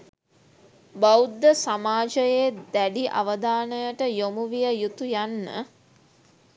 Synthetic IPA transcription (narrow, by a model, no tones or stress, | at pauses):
bawd̪ːəsamaːd͡ʒəjeːd̪æɖiʔa̰ʋəd̪aːnəjəʈəjomuʋijəjut̪ujanːə̰